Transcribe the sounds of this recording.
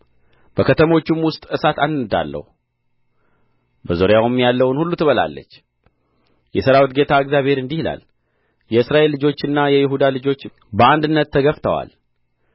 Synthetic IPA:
b̥əkʰət̪ʰəmo̞t͡ʃːumwʊst̪ʼɨsat̪anɨd̪a̰lːə̰hu | bəzoɾjawumjalːəwnhulːut̪ʰɨβəla̰lːə̰t͡ʃː | jɛsəɾawit̪̚ɡe̞t̪ʰaɨɡzjaβhe̞ɾɨnd̪ihla̰l | jɛɨsɾaʔe̞lːɨd͡ʒo̞t͡ʃːɨnːajɛjɪɦud̪alɨd͡ʒo̞t͡ʃː | bəand̪ɨnːət̪ʰːəɡəft̪ʰəwa̰l

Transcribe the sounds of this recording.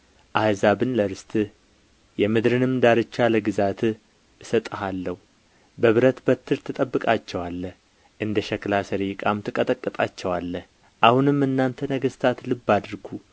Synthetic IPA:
ʔahzaβɨnləɾɨst̪ʼɨ | jɛmɨd̪ɾɨnɨmd̪aɾɨt͡ʃːaləɡɨzat̪ | ɨsət̪ʼəɦalːəhu | bəβɨɾət̪bət̪ʰːɨɾt̪ʰɨt̪ʼəbːɨkʼat͡ʃːɛwalːəh | ʔɨnd̪əʃɛklasəɾikʼamt̪ʰɨkʼət̪ʼəkʼːɨt̪ʼa̰t͡ʃːɛwalːəh | ʔahunɨmɨnːant̪ʰənəɡəst̪ʰat̪lɨbːad̪ɨɾɡʰu

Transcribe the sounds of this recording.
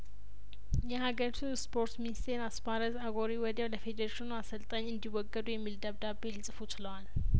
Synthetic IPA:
jɛhaɡəɾit̪ʰuspʰo̞ɾt̪minist̪ʰenasbaɾəzaɡoɾiwɔd̪ewləfed̪əɾeʃɪnuasəlt̪ʼəɲːɨnd̪iwɔɡːəd̪ujɛmːild̪əβd̪abːelɨsʼɨfut͡ʃɪləwal

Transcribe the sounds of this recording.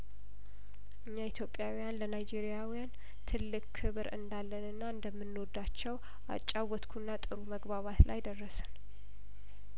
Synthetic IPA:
ʔɨɲːait̪ʰjo̞pʼːjawijanlənajd͡ʒeɾijawijan | t̪ʰɨlːɨkkʰːɨβɾɨ̰nd̪alːənɨnːaɨnd̪əmːɨnːod̪at͡ʃːɛw | ʔa̰t͡ʃʼːawɔt̪kʰunːat̪ʼɨɾuməɡβaβat̪la̰jd̪ərːəsɨn

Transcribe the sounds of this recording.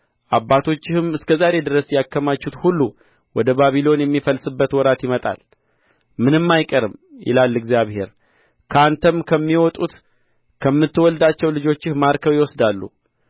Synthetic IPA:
ʔabːat̪ʰo̞t͡ʃːɪhɨmɨskʰəzaɾe̞d̪ɨɾəsjakːəmat͡ʃːut̪hulːu | wɔd̪əbaβilo̞njɛmːifəlsɨbːət̪wɔɾat̪jɪmət̪ʼa̰l | mɨnɨmːajkʼəɾɨmjɪ̰lalːɨɡzijaβhe̞̰ɾ | kʰəant̪ʰəmkʰəmːiwɔt̪ʼut̪ | kʰəmːɨt̪ːɨwɔld̪at͡ʃːɛwlɨd͡ʒo̞t͡ʃːɪhmaɾkʰəwjɪwɔsd̪alːṵ

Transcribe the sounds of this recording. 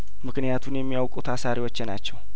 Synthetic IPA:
mɨknɨjat̪ʰunjɛmːijawkʼut̪ʰasaɾiwot͡ʃːɪnat͡ʃːɛw

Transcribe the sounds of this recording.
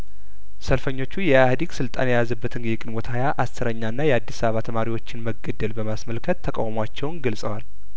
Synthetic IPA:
səlfəɲːo̞t͡ʃːujɛahd̪iɡsɨlt̪ʼa̰njɛjazəbːət̪ʰɨnɡɛkʼɪnwot̪ʰajaʔasɨɾəɲːanːajɛad̪ːisaβəβat̪ʰəmaɾiwo̞t͡ʃːɪnməɡəd̪ːəlbəmasməlkʰət̪ʰːəkʼa̰wmwat͡ʃːɛwnɡəlsʼəwal

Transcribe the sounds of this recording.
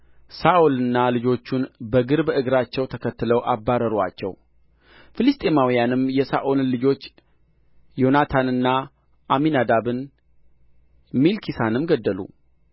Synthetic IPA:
saʔulɨnːalɨd͡ʒo̞t͡ʃːunbəɡɨɾbʔɨɡɾat͡ʃːɛwt̪ʰəkʰət̪ːɨləwʔabːaɾəɾwa̰t͡ʃːɛ̰w | fɨlɨst̪ʼe̞mawijanɨmjɛsaʔollɨd͡ʒo̞t͡ʃː | jo̞nat̪ʰanɨnːa | ʔaminad̪abɨn | milkʰisanɨmɡəd̪ːəlṵ

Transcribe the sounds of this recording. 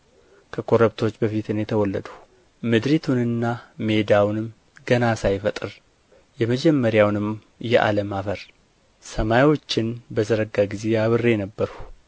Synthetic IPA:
kʰəkʰo̞ɾəβt̪ʰo̞t͡ʃːbəfit̪ɨnjɛt̪ʰəwɔlːə̰d̪u | mɨd̪ɾit̪ʰunɨnːame̞d̪awnɨm | ɡənasajfət̪ʼɨɾ | jɛməd͡ʒɛmːəɾjawnɨm | jɛʔa̰ləmafəɾ | səmajwo̞t͡ʃːɪnbəzəɾəɡaɡize̞aβɨrːe̞nəbːəɾhu̥

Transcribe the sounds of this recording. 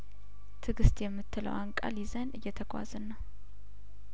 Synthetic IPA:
t̪ʰɨɡɨst̪ʼjɛmːɨt̪ːɨlə̰waŋkʼa̰lizənɨjːɛt̪ʰəɡʼʷa̰zɨnːəw

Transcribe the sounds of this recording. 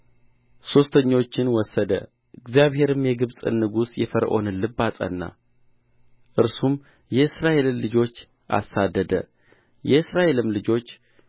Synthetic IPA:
so̞st̪ʰəɲːo̞t͡ʃːɪnwɔsːəd̪ə̰ | ɨɡzjaβɦe̞ɾɨmjɛɡɨβsʼɨ̰nːɨɡusjɛfəɾʔo̞̰nɨnlɨbasʼə̰nːa̰ | ʔɨɾsum | jɛɨsɾaʔe̞lɨmlɨd͡ʒo̞t͡ʃː | ʔa̰sad̪ːəd̪ə̰ | jɛɨsɾaʔe̞lɨmlɨd͡ʒo̞t͡ʃː

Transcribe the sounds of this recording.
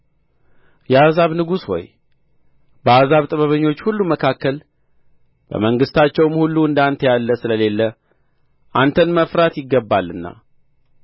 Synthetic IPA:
jɛazaβnɨɡusho̰j | bəazaβt̪ʼəβəβəɲːo̞t͡ʃːhulːuməkʰakːəl | b̥ə̰məŋɡɨst̪ʰat͡ʃːɛwmhulːuɨnd̪ant̪ʰjalːəsɨləle̞lːə | ʔant̪ʰənməfɾat̪jɪɡːəbːalːɨnːa̰

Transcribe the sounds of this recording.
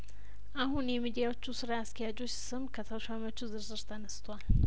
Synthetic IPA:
aɦunemid̪ijawt͡ʃʰːusɨɾaːskijad͡ʒoʃi̥sɨmkʰɐt̪ʰawʃamɐt͡ʃʰuzɨɾzɨɾt̪anɨst̪wal

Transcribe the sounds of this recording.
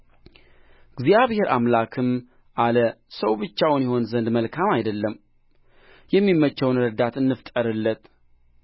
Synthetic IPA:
ɡzijaβhe̞ɾʔamlakʰɨm | ʔaləsəwbɨt͡ʃːawnjɛho̞nzənd̪məlkʰamajd̪əlːəm | jɛmːimːət͡ʃːəwnɾəd̪at̪ɨnːɨft̪ʼəɾɨlːət̪

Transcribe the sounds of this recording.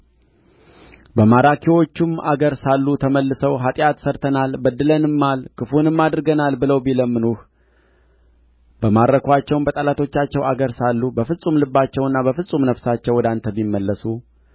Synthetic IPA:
bəmaɾakʰiwo̞t͡ʃːuma̰ɡəɾsalːut̪ʰəməlːɨsəwɦat̪ʼjat̪səɾt̪ʰənalbəd̪ːɨlənɨmːalkʰɨfunɨmːad̪ɾɨɡənalbɨləwbiləmːɨnuh | bəmaɾəkʰwat͡ʃːɛwmbət̪ʼalat̪ʰo̞t͡ʃːat͡ʃːɛwaɡəɾsalːubəfɨsʼumlɨbːat͡ʃːɛwɨnːaβəfɨsʼumnəfsat͡ʃːɛwːɔd̪ant̪ʰəbimːəlːəsu

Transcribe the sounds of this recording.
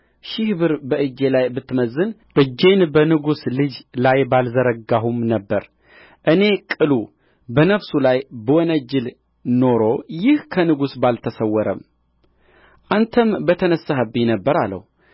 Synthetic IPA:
ʃɪhbɨɾbəʔɨd͡ʒːe̞lajbɨt̪ːməzːɨnʔɨd͡ʒːe̞nbənɨɡuslɨd͡ʒlajbalzəɾəɡaɦumnəbːəɾ | ʔɨne̞kʼɨlu | bənəfsulajbəwɔnəd͡ʒɪl | no̞ɾo̞jɪhkʰənɨɡusbalt̪ʰəsəwːɔɾəm | ʔant̪ʰəmbət̪ʰənəsːaɦəbːinəbːəɾalːə̰hu

